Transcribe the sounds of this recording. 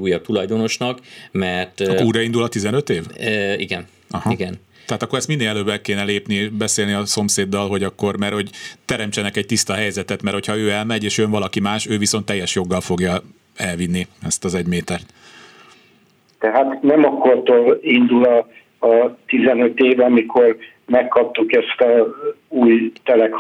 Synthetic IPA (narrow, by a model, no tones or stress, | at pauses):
uːjɒt̪ulɒjd̪o̞no̞ʃnɒkmɛrt̪kːuːɾɒind̪ulɒt̪izɛnøt̪eːvḭɡɛn | ɒhɒiɡɛn | t̪ɛɦaːt̪ɒkːo̞ɾɛst̪minːelɛløːbɛkeːnɛleːpnieʃbɛseːlniɒso̞mseːd̪ːɒlɦo̞ɟɒkːo̞rmɛrho̞ɟt̪ɛɾɛmt͡ʃɛnɛkɛɟ̚t̪ist̪ɒɦɛjzɛt̪ɛt̪mɛrho̞cʰhɒøːɛlmɛɟeːʃønvɒlɒkimaːʃøːviso̞nt̪ːɛjːɛʃjo̞ɡːɒlfo̞ɡjɒ | ɛlvinːiɛst̪ɒzɛɟmeːt̪ɛrt̪ | t̪ɛɦaːt̪nɛmɒkːoɾt̪oɾind̪ulɒː | t̪izɛnøt̪eːvɒmikʰo̞r | mɛkːɒp̚t̪ukɛst̪ɒuːjt̪ɛlɛk